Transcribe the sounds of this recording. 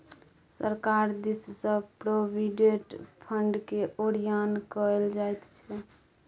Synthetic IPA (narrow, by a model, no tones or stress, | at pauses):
səɾkaɾd̪issə̃pɾobʱiɖeʈpʰəɳɖkeʔoɾijankəld͡ʒajt̪t͡ʃʰɛ